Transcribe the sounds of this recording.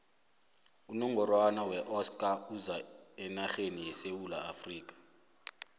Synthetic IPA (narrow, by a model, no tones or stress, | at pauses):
unɔŋɡɔrwanawɛʔɔskʼauzaɛnaɬenijɛsewulaːfriːk̬ʼḁ